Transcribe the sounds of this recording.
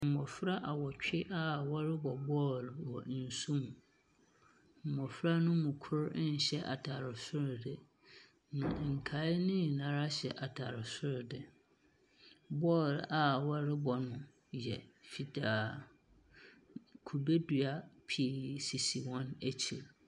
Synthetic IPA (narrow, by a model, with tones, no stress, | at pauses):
m̩˨mɔ˨fɾa˦ʔa˨wɔ˨t͡ɕᶣʰɪ˦ʔa˦wɔ˦ɾɪ˦bɔ˨bɔ˦lwɔ̰˨˦n̩˨su˦mũ˨ | m̩˨mɔ˨fɾa˦nʊ̃˦mʊ̃˨kʰʊ˦ɾn̩˨ɕɛ˦ʔa̰˨tʰa˨ɾɪ˨sʊ˦ɾdɪ˨ | nã̰˨ŋ̩˨kʰa˨˦ɪ˦nɪ̃˦˨nã˨˦ɾa˦ɕɛ̰˨ʔa˨tʰa˨ɾɪ˨sʊ˦ɾdɪ˨ | bɔ˦ɾa˨wɔ˦ɾɪ˦bɔ˨nʊ̃˨ | jɛ˨fi˨da˨ | kʰu˨be˦du˨a˦pʰi˨si˨si˨wɔ̃˦næ˦t͡ɕʰi˨l